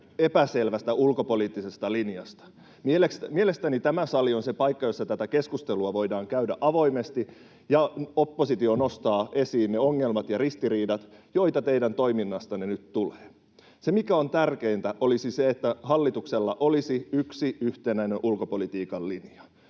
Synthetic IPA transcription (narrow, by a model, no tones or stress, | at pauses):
epæse̞lʋæst̪æʔulko̞po̞liːt̪ːisest̪ɑlinjɑst̪ɑ̥ | mielesmiele̞st̪ænit̪æmæsɑlionse̞pɑjkːɑjo̞sːɑt̪æt̪æke̞skust̪e̞luɑʋo̞jdɑːŋkæydæʔɑʋo̞imest̪i | jɑo̞pːosit̪io̞no̞st̪ɑːʔe̞siːnneoŋːe̞lmɑt̪jɑrist̪iriːdɑt̪jo̞it̪ɑt̪ejdænt̪o̞iminːɑst̪ɑnːenyt̪tule̥ː | se̞mikæont̪ærke̞int̪æʔo̞lisiseet̪ːæhɑlːit̪ukselːɑʔo̞lisiyksiyht̪enæineʔulko̞po̞lit̪iːkɑllinjɑ